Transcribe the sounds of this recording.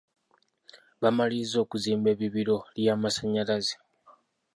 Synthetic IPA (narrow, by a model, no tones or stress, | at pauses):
βamalizo̞ːkuziːmbe̞ːβiβiɾo̞ljaːmasaɲalaze